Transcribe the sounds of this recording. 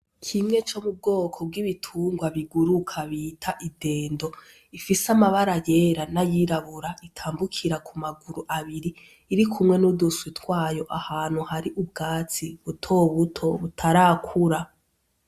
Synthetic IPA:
kʰimŋe̞t͡ʃo̞mub̚ɡo̞ːkʰo̞b̚ɡiβitʰuːŋɡwaβiɡuɾukʰaβiːtʰaʔide̞ːndo̞ | ifisamaβaɾaje̞ːɾanajiɾaβuɾaitʰaːmbukʰiɾakʰumaɡuɾuʔaβiɾiː | ɾikʰumŋe̞nuduswitwaːjoʔahaːn̥huhaɾiʔub̚ɡaːt͡siβutʰo̞βutʰo̞βutʰaɾaːkʰuɾa

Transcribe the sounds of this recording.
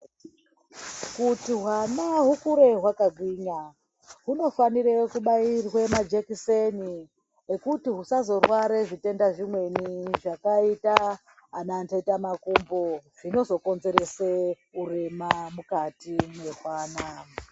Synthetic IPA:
kutiɦwanaɦukuɾe̞ɦwakaɡʱwiːɲa | ɦuno̞faniɾekuɓairwemad͡ʒekiseni | ekutiɦusazo̞rwaɾeʐite̞ndaʐimwe̞niʐakaitaː | nantaitamakumboʐ̥ino̞zo̞ko̞nze̞ɾe̞se | ure̞mamukatine̞ɦwaːna

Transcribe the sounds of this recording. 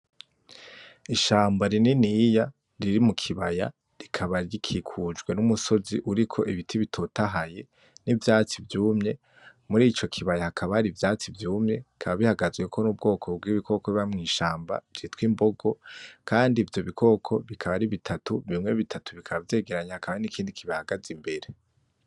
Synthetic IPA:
iʃaːmbaɾininija | ɾiɾimukʰiβaja̰ | ɾikʰaβaɾikʰikʰud͡ʒɡwe̞numuso̞ziʔuɾikʰo̞ʔiβitʰiβitʰotaɦaje̞ | nivjaːt͡sivjuːmɲe̞ | muɾiːt͡ʃo̞kʰiβajahakʰaβaɾivjaːt͡sivjuːmɲe̞ikʰaβaβihaɡazɡwe̞kʰo̞nuːb̚ɡo̞ːkʰo̞b̚ɡiβikʰo̞koβiβamŋiːʃaːmba̰vɾitwimbo̞ɡo̞kʰaːndiːvjo̞βikʰo̞ːkʰo̞βikʰaβaɾiβitʰatuβimŋe̞βitʰatuβikʰaβavje̞ːɡe̞ɾaɲahakʰaβanikʰiːndikʰiβahaɡazimbe̞ɾe

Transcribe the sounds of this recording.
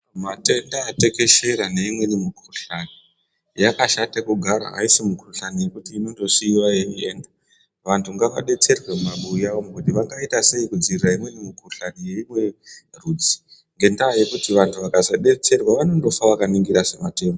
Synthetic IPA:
mate̞ndaːte̞ke̞ʃe̞ɾane̞imwe̞nimukuruɬani | jakaʃatakuɡʱaɾa̰ɦa̰isimukuruɬanije̞kutiːno̞nto̞siːwajemienda | ʋantʰuŋɡaʋaɗe̞t͡se̞rwe̞mumaɓujaʋomukutiʋaŋɡaitase̞ikud͡ziriraimwe̞nimukuruɬanije̞imwe̞ruːd͡zi̥ | ŋɡe̞ndaːje̞kutiʋantʰuʋakazaɗe̞t͡se̞rwaʋano̞ndo̞faʋakaniŋɡiɾasemate̞ːmo

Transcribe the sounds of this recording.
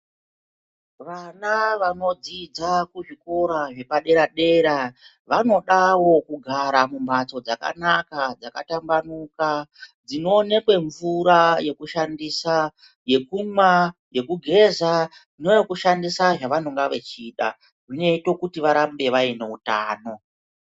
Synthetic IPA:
ʋanaʋano̞d͡zid͡zakuʐiko̞ɾaʐe̞paɗe̞ɾaɗe̞ɾa | ʋano̞ɗawo̞kuɡʱaɾamumbat͡so̞d͡zaka̰nakad͡zaka̰tambanukad͡zino̞ːne̞kwe̞ɱvuɾaje̞kuʃandisa | je̞kumwaje̞kuɡʱe̞za | inojokuʃandisaʐaʋanoŋɡaʋe̞̰t͡ʃiːɗa̰ | ʐine̞ito̞kutiʋaɾambe̞ʋaine̞uta̰ːno̞

